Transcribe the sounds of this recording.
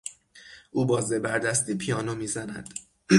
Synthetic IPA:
ʔuːbɒːzebæɾd̪æst̪iːpʰijɒːnomiːzænæ̰d̪̥

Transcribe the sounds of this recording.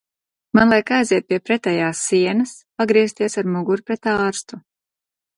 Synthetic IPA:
manlˠajkajziɛt̪̚pʲiɛpɾɛt̪ɛjaːsːiɛnɐspaɡɾiɛst̪iɛsaɾmuɡuɾpɾɛt̪ɑːɾst̪u

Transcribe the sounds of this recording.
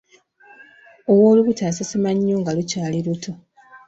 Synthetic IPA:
owoːluβutaːsasimaɲːoŋɡalucaːliɾutʰo

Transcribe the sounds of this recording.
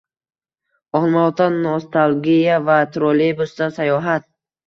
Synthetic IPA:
ɒɦlˠmat̪ʰanost̪ʰalˠɡʲijavat̪ʰɾolebusd̪asajɒɦat̪̚

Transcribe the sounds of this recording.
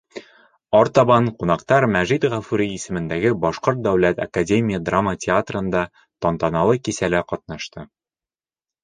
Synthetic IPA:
ɒɾt̪ɒbɑnqunɑqt̪ɑɾmæʒit̪ʁæfʉɾʲiːsɘ̆mɘ̆nd̪æɡɘbɒʃqoɾt̪̚d̪æwlæt̪a̰kadʲemʲijəd̪ramːətʲɪat̪rɤ̆nd̪ɑ | t̪ɒnt̪ɑnɑlˠɤkisælæqɒt̪̚nɑʃt̪ɤ

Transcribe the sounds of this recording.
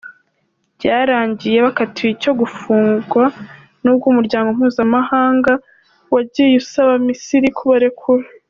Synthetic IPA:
bɟaːɾaːɲɟije̞βakatʰiico̞ɡufuːŋɡwa | nuːb̚ɡuːmuɾɟaːŋɡo̞m̥huːzamahaːŋɡa | waɟijusaβamisiɾikʰuβaɾe̞kʰuɾa

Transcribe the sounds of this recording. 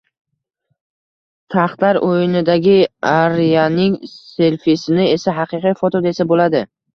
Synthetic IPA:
t̪ʰaχt̪laɾojɪnɪd̪aɡʲɪaɾijanɪŋse̞ɾfisɪnɪe̞saɦɑqɨqijfot̪od̪ae̞sabolad̪ɪ

